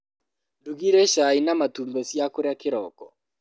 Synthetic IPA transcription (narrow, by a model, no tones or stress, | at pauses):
duɣiɾɛʃainamatumbɛsjakoɾeakɪɾɔkɔ